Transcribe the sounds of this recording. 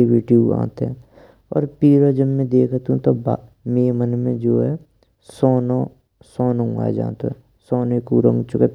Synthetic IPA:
eʋiːɖijoã̰ːt̪eɦɛ̃ | ɔ̰ːɾpiːɾod͡ʒəbmẽd̪eːkʰt̪ũt̪obaː | meːmənmẽd͡ʒoːɦɛ | sɔːno | sɔːnũɡa̰ːd͡ʒa̰ːt̪oɛ̃ | sɔːnekuɾə̃ŋɡt͡ʃʊket̪

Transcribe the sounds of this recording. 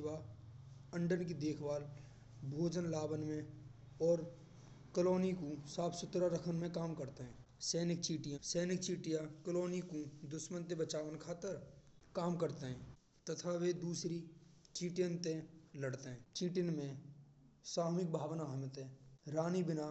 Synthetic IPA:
ʋa | ə̃ɳɖənkid̪eːkʰʋaːl | bʱoːd͡ʒənlaːbənmẽ | ɔːɾ | kəloːnikusaːpʰsʊt̪ɾaɾəkʰənmẽkaːmkəɾt̪eɦɛ̃ː | sɛːnɪk̚t͡ʃiːʈɪjãsɛːnɪk̚t͡ʃiːʈɪjãkəloːnikud̪ʊʃmə̃nt̪ebət͡ʃaːʋənkʰaːt̪əɾ | kaːmkəɾt̪eɦɛ̃ː | t̪ət̪ʰaʋed̪uːsɾit͡ʃiːʈijənt̪ẽləɽt̪eɦɛ̃ːt͡ʃiːʈɪnmẽ | saːɦmɪk̚bʱaːʋnaɦmɪt̪ɦɛ̃ːɾaːnibɪna

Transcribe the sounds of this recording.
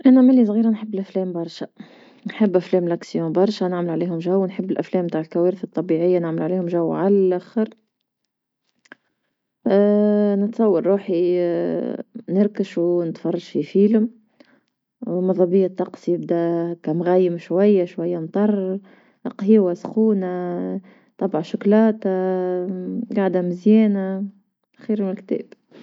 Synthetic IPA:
ʔænæmɪlːis̬ˤɣiːɾanħəbːɪlʔæflɛːmbɑɾˤʃæ | nħəbːʔæflɛːmlæksjõːbɑɾˤʃænɪʕməlʕaliːhʊmʒæwːnħəbːɪlʔæflɛːmbt̪aːʕlkæweːɾɪθɑt̪ˤːɑbiʕɪjːanɪʕməlʕaliːhʊmʒæwːʕalælʔæxəɾ | nət̪sˤɑwːɑɾˤɾuːħi | nɪɾˤkəʃunət̪fɑrˤːɑʃfifiːlʊm | mɑðˤɑbijːɑt̪ˤːɑqsjɪb̚d̪ækæmɣæjːɪmʃwæjːaʃwajːant̪ˤɑrˤː | ʔɑqhiwasxuːna | t̪ˤɑbʕʃʊklɑːt̪a | ɡaʕd̪æmɪzjɛːna | xiːɾmɪnɪlk̚t̪ɛ̰ːb̥

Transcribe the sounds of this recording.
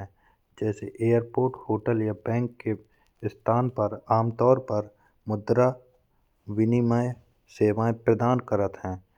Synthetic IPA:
ɛ̃ | d͡ʒɛːseʔeːjəɾpoːɾʈhoːʈəljabɛ̃ːŋkːe | st̪ʰaːnpɐɾaːmt̪ɔːɾpɐɾ | mʊd̪ɾa | ʋɪnimae | seːʋaːẽpɾəd̪aːnkəɾət̪ɦɛ̃ː

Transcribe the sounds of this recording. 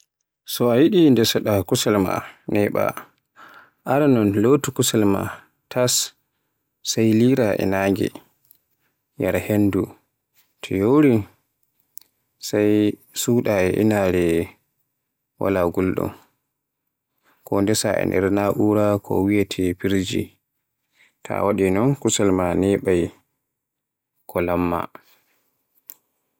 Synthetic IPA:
sɔajiɗindɛsɔɗakusɛlma̰nɛɓa̰ | ʔaɾanɔnlotukusalma̰ | tʰasː | ajliɾaʔɛ̰naŋɡɛ̰ | jaɾhendu | tʰɛjoɾin | saj | suːɗaɛʔḭnaɾɛ | wa̰laɡulɗɔ̰n | kɔndɛsaɛ̰ndɛ̰ɾnaʔuɾakʰɔ̰wijatʰɛpiɾd͡ʒḭ | tʰa̰waɗinɔnkusalmanɛɓaj | kʰɔlamːa̰

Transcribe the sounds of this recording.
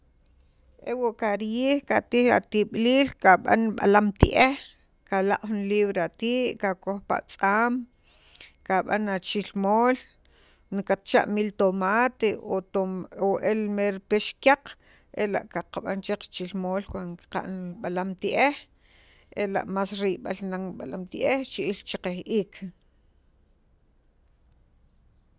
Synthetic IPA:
ʔewoʔkaɾjiːhkat̪iha̰t̪iɓliːlkaɓa̰nɓa̰lamt̪ḭʔeh | kalaqʼχunliːβɾeat̪iːʔkakoxpa̰ʔt͡sʼaːm | kaɓa̰nat͡ʃilmoːl | nkat̪t͡ʃa̰ʔmilt̪omaːt̪eoooʔelmeɾpeʃkʲjaq͡χ | ela̰ʔkaqaɓa̰nt͡ʃeqt͡ʃilmoːlkwanoki̥qa̰ʔnɓalamt̪iʔeh | ela̰ʔmaːsɾiʔɓalnaɓalamt̪iʔeht͡ʃiʔilt͡ʃiqehʔiːkʰ

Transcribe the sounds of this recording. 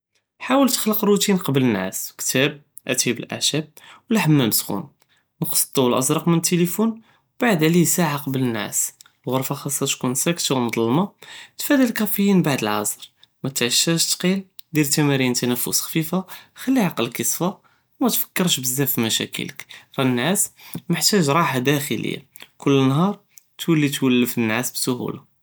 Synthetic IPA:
ħawəlt̪ə̥xləqɾut̪inqɑbələnʕæ̰skt̪æb̚ | ʔæt̪ibə̰lʔa̰ʕʃæb̚wliħəmːænəsxṵn | nəqə̥sˤt̪ˤːuwəlʔɑzɾˤɑqmənət̪ːelifun | baʕəd̪ʕlisaʕaqɑbələnʕæ̰s | lɣʊɾˤfɑxɑsˤːɑt̪kunsækt̪awmd̪ˤɑlmɑt̪fæd̪ælkæfəjinbaʕd̪əlʕɑ̰sˤɾmæt̪ʕəʃːæʃt̪qild̪iɾt̪æmæɾint̪ænæfːʊ̰sxfifaxælːiʕɑqəlkəsˤfa | mæt̪fə̥kːəɾˤʃbəzːæfimæʃæ̰kə̰ləkɾˤɑnːʕæsməħt̪æʒɾˤɑħad̪æxə̰lə̰jːa̰ | kʰʊlːənɦɑɾˤ | t̪wəlːit̪wəlːəfənːʕasbsʊhṵla

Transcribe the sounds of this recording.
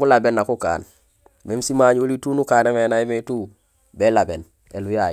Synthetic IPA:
ulabenːakuka̰ːn | memsimaɲolituːnukaːnemenaimetuː | belaben | eluja

